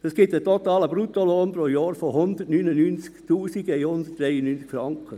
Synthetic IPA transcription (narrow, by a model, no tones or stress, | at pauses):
ɛsɡ̥ɪtətɔt̪ɑːləb̥ɾut̪oloːnpɾoːjɑːɾfoɦʊnd̪ətnyːnənynt͡skt̪uːsiɡɛɪhʊnd̪ət̚d̥ɾɛjənyːnt͡skfɾɑŋkʰə